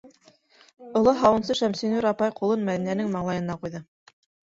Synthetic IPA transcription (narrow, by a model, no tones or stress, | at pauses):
ŏlˠɑɦɑwɤ̆nsɤʃæmsinuɾɑpɑjqulˠɤnmæðinænɘŋmɑɴlˠɑjɤ̆nɑqujðɤ